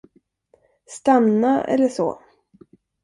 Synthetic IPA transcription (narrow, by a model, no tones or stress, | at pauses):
st̪anːaɛ̰lːəʂo̰ː